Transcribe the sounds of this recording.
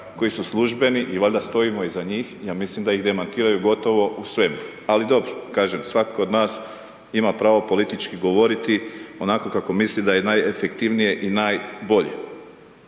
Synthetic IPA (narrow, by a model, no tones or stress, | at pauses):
ko̞jisuslˠuʒbe̞niʔiʋaʎʲd̪ast̪o̞imo̞izaɲiːxjaːmislimd̪aiɣd̪e̞mant̪iːɾajuɡo̞t̪o̞ʋo̞ʔusʋe̞mu | alid̪o̞bɾokaːʒemsʋakod̪naːs | imapɾaːʋopo̞lit̪it͡ʃkiɡo̞ʋo̞ɾit̪io̞nako̞kako̞mislid̪aje̞najefek̚t̪iʋnije̞ʔinajbo̞ʎḛ